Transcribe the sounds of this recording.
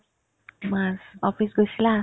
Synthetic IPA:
masɔpisɡʌsila

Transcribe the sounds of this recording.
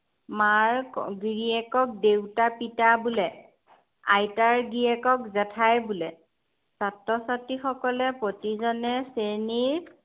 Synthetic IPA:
maɹɡiɹiɛkɔk̚dewtapitabulɛ | ajtaɹɡiɛkɔkzɛtʰajbulɛ | satɹɔsatixɔkɔlɛpotizɔnɛseniɹ

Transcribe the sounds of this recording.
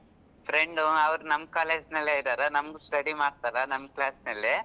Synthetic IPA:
pʰɾeɳɖuɐʋɾunɐmːɐkaːleːd͡ʒnɐlːeːid̪aːɾɐnɐmɐɡusʈɐɽimaːɽt̪aːlɐnɐmːklaːsnɐlːi

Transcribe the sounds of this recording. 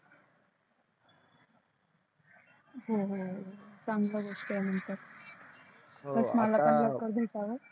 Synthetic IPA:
ɦoɦosaŋɡlaɡʱoʂkəjam̤əɳt̪əɾ | əsmalaːpəɳd͡ʑəkəɾd̪ʱet̪aʋə

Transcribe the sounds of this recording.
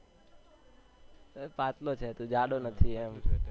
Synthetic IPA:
pat̪lot͡ʃʰet̪ũd͡ʒaɽonət̪ʰiɛm

